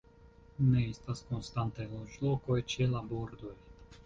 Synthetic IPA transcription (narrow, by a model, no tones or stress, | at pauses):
neist̪askonst̪ant̪ajloʒlokojt͡ʃɛlaboɾd̪oj